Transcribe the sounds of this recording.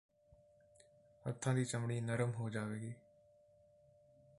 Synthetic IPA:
ə̰t̪ʰːãːd̪iːt͡ʃəmɳiːnəɾəmɦoːd͡ʒaːʋeːɡiː

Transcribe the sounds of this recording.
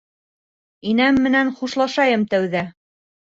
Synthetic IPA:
inæmːɘ̆nænχuʃlˠɑʃɑjɤmt̪æwðæ

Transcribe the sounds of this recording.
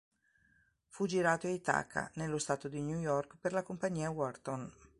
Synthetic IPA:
fud͡ʒiɾaːt̪oait̪a̰kːa̰nelːost̪aːt̪od̪injujɔrkperlakompaɲːiːawɔrt̪on

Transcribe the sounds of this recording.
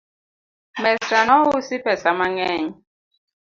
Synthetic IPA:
mɛsanɔwusipʰɛsamaŋɛːɲɔ

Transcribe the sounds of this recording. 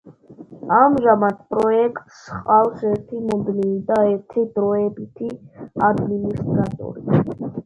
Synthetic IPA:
amʒamad̪̚pʼɾɔɛkʼt̪ʼsqʼawsɛɾt̪ʰimud̪nivid̪aɛɾt̪ʰid̪ɾɔɛbit̪ʰiad̪minist̪ʼɾat̪ʼɔ̰ɾi

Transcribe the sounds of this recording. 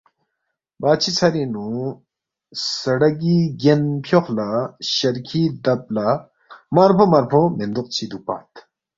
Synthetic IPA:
baːt͡ɕʰit͡sʰaɾinu | sɐɽɐɡiɡenpʰjoxlaɕɐɾkʰid̪ɐb̚la | maɾpʰõmɐɾpʰomend̪uq̚t͡ɕʰid̪upa̰ːt̪ʰ

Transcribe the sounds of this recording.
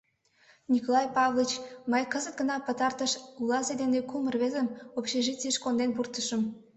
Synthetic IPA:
nʲikolˠɑjpɑvlˠit͡ɕməjkəzət̪̚ɡənɑpət̪ɑrt̪əʃulɑsed̪enekumərβezəmopɕeʒit͡siʃkond̪enpurt̪əʃəm

